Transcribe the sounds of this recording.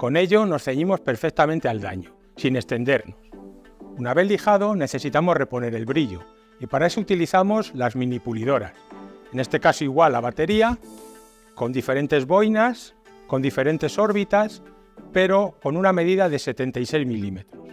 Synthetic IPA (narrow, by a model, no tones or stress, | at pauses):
ko̞ne̞ʎo̞no̞sθe̞ɲimo̞spe̞ɾfek̚t̪amẽ̞nt̪e̞ald̪a̰ɲo | sine̞st̪e̞nd̪e̞ɾnos | unaβe̞θlixaðo̞ne̞θe̞sit̪amo̞zre̞po̞ne̞ɾe̞lβɾiʎo̞̰ | ipaɾae̞so̞ut̪iliθamo̞zlazmĩnipuliðo̞ɾa̰se̞nest̪e̞kasoiɣwalaβ̞at̪e̞ɾia | ko̞nd̪ife̞ɾe̞nt̪e̞zβo̞jnas | ko̞nd̪ife̞ɾe̞nt̪e̞so̞ɾβit̪as | pe̞ɾo̞ko̞nũname̞ðiðaðe̞se̞t̪e̞nt̪ajse̞jzmilime̞t̪ɾos